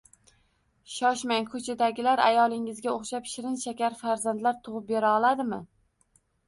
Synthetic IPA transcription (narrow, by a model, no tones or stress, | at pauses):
ʃɒʃmaŋkʰɵt͡ʃʰad̪aɡʲɪlaɾa̰jɒlˠɪŋɪzɡʲaoχʃapʃɪɾɪnʃakʲaɾfaɾzant̪laɾt̪ʰʊʁɨp̚beɾaɒlˠad̪ɪmɪ